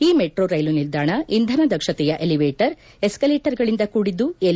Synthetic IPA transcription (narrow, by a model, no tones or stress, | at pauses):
iːmeʈɾoːɾɐjlunild̪aːɳɐind̪ʱɐnɐd̪ɐkʃɐt̪ɛjɐʔeliʋeːʈɐɾ | e̞skɐleːʈɐɾɡɐɭind̪ɐkuːɽid̪ːue